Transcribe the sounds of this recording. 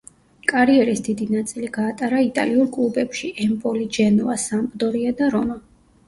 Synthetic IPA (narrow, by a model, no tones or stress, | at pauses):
kʼaɾiɛɾisd̪id̪inat̪sʼiliɡaːt̪ʼaɾait̪ʼa̰liuɾkʼlˠubɛpʃiʔɛmpʼɔlid͡ʒɛnɔasambʼd̪ɔɾiad̪aɾɔma